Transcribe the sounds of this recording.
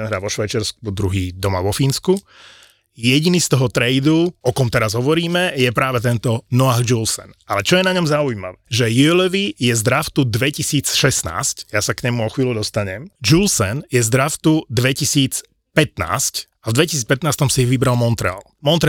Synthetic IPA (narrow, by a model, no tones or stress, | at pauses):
ɛnɦɾaːʋɔʃʋaɪt͡ʃɛɾsk̚ud̪ɾuɦiːd̪ɔma̰ʋɔfiːnsku | jɛɟinist̪ɔɦɔt̪ɾɛɪd̪uɔkɔmt̪ɛɾazɦɔʋɔɾiːmɛjɛpɾaːʋɛt̪ɛnt̪ɔnɔaːɣd͡ʒulsɛ̰nalɛt͡ʃɔjɛnaɲɔmzauima̰ʋɛʒɛjulɛʋijɛzd̪ɾaft̪ud̪ʋɛcisiːt͡sʃɛsna̰ːscjasakɲɛmuɔxʋiːlud̪ɔst̪aɲɛmd͡ʒulsɛnjɛzd̪ɾaft̪ud̪ʋɛcisiːt͡s | pɛt̪na̰ːsc | avd̪ʋɛci̥siːt͡spɛt̪naːst̪ɔmsijiʋibɾalmɔnt̪ɾɛ̰a̰lmɔnt̪ɾɛ